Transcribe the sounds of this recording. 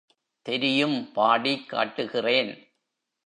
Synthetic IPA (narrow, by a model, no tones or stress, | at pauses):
t̪ɛɾɪjɯmpaːɽikːa̰ːʈːɯɣɪreːn